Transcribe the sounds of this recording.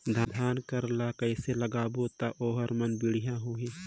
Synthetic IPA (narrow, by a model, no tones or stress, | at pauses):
d̪ʱad̪ʱaːnkəɾlakəɪseləɡaːbot̪aʔoːɦəɾmənbɪɽijãɦoːɦẽː